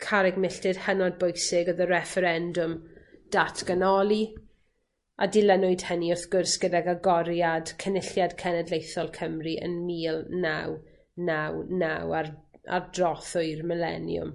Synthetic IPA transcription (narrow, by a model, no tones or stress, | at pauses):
kʰaɾɪɡmɪɬtɪd̥hənɔd̚bʊjsɪɡɔðəɾɛfɛɾɛndʊmd̥atʰɡ̥ənɔlˠi | ʔadɪlɛnʊɨd̥həniʊrθɡ̥ʊrsɡ̥ədaɡaɡɔɾjad̥kʰənɪɬjadkʰɛnɛdlejθɔlˠkʰəmriʔə̰nmiːlˠnaw | nawnawara̰rdrɔθʊɨrmɪlɛ̰njʊ̰m